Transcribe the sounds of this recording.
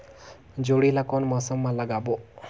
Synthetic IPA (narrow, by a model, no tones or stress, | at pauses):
d͡ʒoɽilakonmɔsəmːãləɡabo